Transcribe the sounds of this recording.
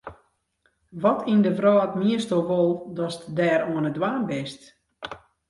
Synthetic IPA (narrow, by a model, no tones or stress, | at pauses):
ʋɔtʰindəvrɔːətmiəstoʋolˠdɔstdɛːɾuənədwaːnbɪst